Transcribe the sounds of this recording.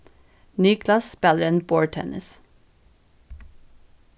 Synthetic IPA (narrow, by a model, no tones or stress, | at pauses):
nyːkʰlɑsspɛləɾenboːɹʈʰɛ̰nʔɪ̰s